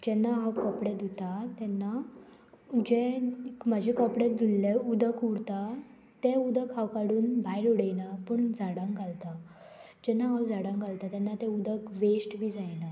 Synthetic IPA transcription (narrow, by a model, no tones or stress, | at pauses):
d͡ʑɛnːaɦawkəpɽed̪it̪at̪ɛnːa | d͡ʑɛkm̤əd͡ʑʱekəpɽed̪ilːeud̪əkuɽt̪a | t̪ɛud̪əkʰawkaɽuːnbʱajɽuɽəjnapəɳd͡zaɽãŋkalt̪a | d͡ʑɛnːaɦawd͡zaɽãŋkalt̪at̪ɛnːat̪ɛud̪əkʋesʈbʱiːd͡zajna